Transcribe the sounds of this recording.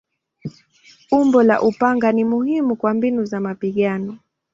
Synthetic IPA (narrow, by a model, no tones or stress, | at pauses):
umbɔlaʔupaŋɡanimuhimukwambinuzamapiɠanɔ